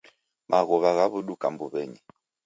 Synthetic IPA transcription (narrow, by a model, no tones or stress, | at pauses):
mʔaɣɔβaɣaβuɗukambuβɛɲɛ